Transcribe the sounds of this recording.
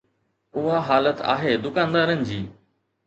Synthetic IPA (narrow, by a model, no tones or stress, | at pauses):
ʊɦaɦaːlət̪a̰ːɦeːd̪ʊkãːnd̪aːɾənɪ̆d͡ʑiː